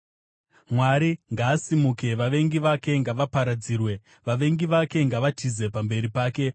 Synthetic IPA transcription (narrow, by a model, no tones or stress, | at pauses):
mwaɾiŋɡaːsimuke̞ʋaʋe̞ŋɡiʋake̞ŋɡaʋapaɾad͡ziːrwe̞ | ʋaʋe̞ŋɡiʋake̞ŋɡaʋatʰize̞pambe̞ɾipaːke̞